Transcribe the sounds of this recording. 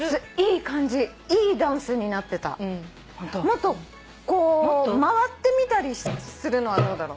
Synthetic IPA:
iːkãɲ̟d͡ʑi | iːd̪ãɰ̃sɨɲ̟inat̪ːe̞t̪a̰ | mo̞t̪ːo̞ | ko̞ːmaβat̪ːe̞mʲit̪aɾʲisɨɾɯ̟no̞βad̪o̞ːd̪aɾo

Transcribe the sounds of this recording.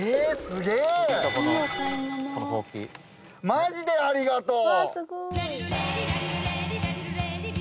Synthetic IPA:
esɨɡeːako | kokoːkʲḭ | maʑid̪e̞aɾʲiɡat̪oː

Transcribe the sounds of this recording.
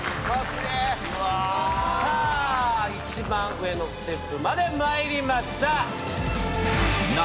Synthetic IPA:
mase | a | a | it͡ɕimãɰɯe̞no̞sɨ̥t̪e̞pːɯmad̪e̞maiɾʲimaɕi̥t̪a

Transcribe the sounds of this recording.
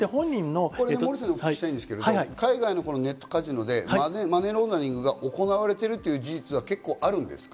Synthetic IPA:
ehõɲʲːĩnːoko̞ɾeemoɾis̬enokit̪aĩnd̪esɨ̥keedokaiɡaino̞ko̞no̞ne̞t̪ːo̞̥kaʑino̞d̪e̞aemane̞ɾõ̞nd̪aɲʲĩŋɡɯ̟ɡaʔo̞ko̞naβaɾe̞t̪e̞ɾɯ̟t̪ːe̞jɯ̟ːd͡ʑiʑit͡sɨβ̞ake̞kːo̞ːʔaɾɯ̟̃nd̪e̞̰sɨ̥kḁ

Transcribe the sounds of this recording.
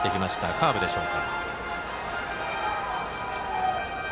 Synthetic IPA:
t̪e̞kʲimaɕi̥t̪akʰaːbɯ̟d̪e̞ɕo̞ːka

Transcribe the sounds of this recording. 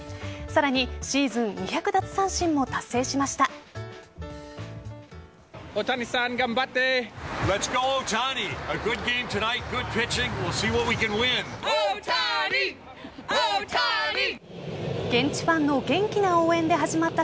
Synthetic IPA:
saɾaɲ̟iɕiːzɨ̃nɲiçʲakɯ̟d̪at͡sɨ̥sãɰ̃ɕĩmːo̞t̪asːe̞ːɕimaɕi̥t̪a | ot̪anisãŋɡãmbat̪ːelɛtsɡ̥oʊotʰaːniəɡʊd̚ɡẽɪ̃mtʰɨnaɪt̚ɡ̥ʊd̚pʰɪt͡ʃɪ̃ŋwɪlˠsiwʌt̚wikɨ̃nwɪ̃n | ɡ̥ẽ̞ɲ̟t͡ɕi̥bãnːo̞ɡẽ̞ŋkʲinao̞ːẽ̞nd̪e̞ɦaʑimat̪ːa

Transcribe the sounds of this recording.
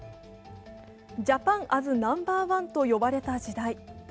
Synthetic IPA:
d͡ʑapãŋʔazɨnãmbaːβãnt̪o̞jo̞baɾe̞t̪ad͡ʑid̪ai

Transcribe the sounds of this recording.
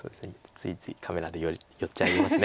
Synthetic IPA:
so̞̰ːd̪e̞sɨne̥t͡sɨit͡sɨikʰame̞ɾad̪ejojo̞tt͡ɕaiɾimmasɨne

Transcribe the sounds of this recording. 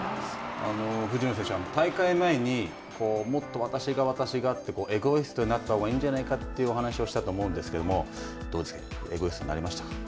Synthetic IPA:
ano̞ɸɯ̟d͡ʑinos̬ẽ̞ɕoamot̪aikaimaeɲ̟i | kʰo̞ːmo̞t̪ːo̞βat̪aɕiɡaβat̪aɕiɡaːt̪ːe̞ko̞ːʔe̞ɡo̞esɨ̥t̪o̞ɲinat̪ːaoɡaĩɲ̟d͡ʑanaikat̪ːe̞iɯ̟o̞ɦanaɕio̞ɕi̥t̪at̪oːmo̞ɯ̟̃nd̪e̞sɨ̥ke̞d̪omo̞ | d̪̥o̞ːd̪skaeɡo̞esɨ̥t̪oina̰ɾimaɕi̥t̪ak

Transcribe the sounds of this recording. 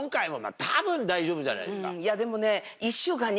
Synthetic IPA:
ŋk͈aemoma̰k̚tabɯnːaid͡ʑobɯd͡ʑa̰na̰jḛsk͈a̰jademone | iɕuɡaɲ

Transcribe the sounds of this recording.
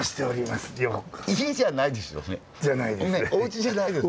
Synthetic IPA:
ɕi̥t̪e̞oɾʲimasɨ̥joːkɯ̥içʲiiɕianaid̪e̞sɨjo̰ne̞ | d͡ʑanaid̪eneoɯ̟t͡ɕiʑanaid̪e̞s

